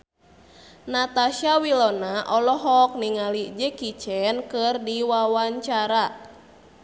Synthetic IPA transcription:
nat̪aʃawilɔnaʔɔlɔɦɔk̚niŋalid͡ʒekit͡ʃɛnkɨrdiwawaɲt͡ʃaɾa

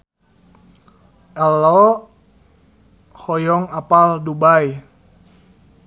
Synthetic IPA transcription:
ʔɛlːɔ | hɔjɔŋapaldubaj

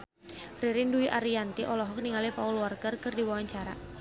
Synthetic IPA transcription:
riɾɪnduiʔaɾiant̪iʔɔlɔɦɔk̚niŋalipaulwarkərkɨrdiwawaɲt͡ʃaɾa̰

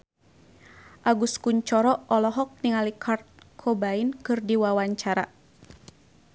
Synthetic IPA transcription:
ʔaɡuskuɲt͡ʃɔɾɔɔlɔɦɔk̚niŋalikʰart̪̚kʰɔbainkɨrdiwawaɲt͡ʃaɾa̰

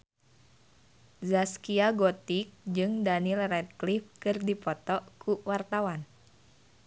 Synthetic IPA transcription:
zaskiaɡɔt̪ik̚d͡ʒɨŋdanilrɛd̪̚klifkɨrdipɔt̪ɔkʰuwart̪awan

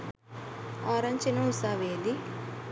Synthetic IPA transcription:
aɾɐɲt͡ʃinɐusaʋeːd̪i

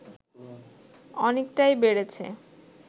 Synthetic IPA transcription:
ɔnekʈajbeɽet͡ɕʰḛ

